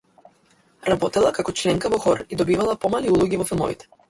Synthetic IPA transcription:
ɾabɔt̪ɛlˠakakɔt͡ʃlɛŋkavɔxɔɾid̪ɔbivalˠapɔmaliulˠɔɡʲivɔfilˠmɔ̰vit̪ɛ̥

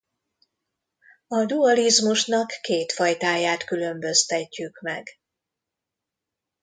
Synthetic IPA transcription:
ɒd̪uɒlizmuʃnɒkːeːt̪fɒjt̪aːjaːt̪kylø̞mbø̞st̪ɛcːykmɛɡ

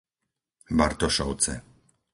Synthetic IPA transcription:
ba̰ɾt̪ɔʃɔʊt͡sɛ̰

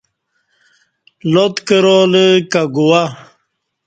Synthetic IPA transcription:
lot̪kəɾoːləkaɡuwa

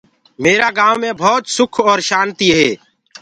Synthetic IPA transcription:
meːɾaːɡaːʋːẽːbʱɔːt̪sʊkʰɔːɾʃaːnt̪iːɦɛː

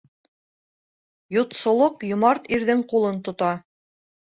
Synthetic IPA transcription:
jŏt̪sŏlˠoqjŏmɑɾt̪iɾðɘŋqulˠɤnt̪ŏt̪ɑ

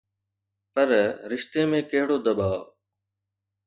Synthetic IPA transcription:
pəɾɾɪʃt̪eːmẽːkɐɦɪɽoːd̪ɐɓaː

